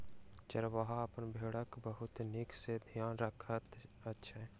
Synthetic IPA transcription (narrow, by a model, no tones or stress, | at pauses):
t͡ʃəɾʋəɦaəpənbʱeːɽəkbəɦʊt̪nɪksebʱijaːnɾəkʰət̪ | ətːʃʰaɛː